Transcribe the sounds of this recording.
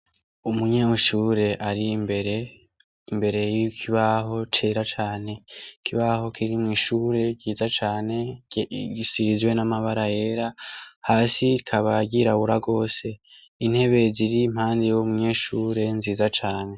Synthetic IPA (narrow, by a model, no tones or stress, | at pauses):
umuɲeːuʃuːɾe̞ʔaɾibeɾe | imbe̞ɾe̞jikʰiβaɦo̞t͡ʃe̞ɾat͡ʃaːne̞kʰiβaɦo̞kʰiɾimŋiːʃuɾe̞ɟiːzat͡ʃaːne̞ɟisizɡwe̞namaβaɾaje̞ɾahaːsiɾikʰaβaɡiɾaβuɾaɡo̞ːse̞ | in̥he̞βe̞ziɾim̥haːndejomuɲe̞ːʃuːɾe̞nziːzat͡ʃaːne̞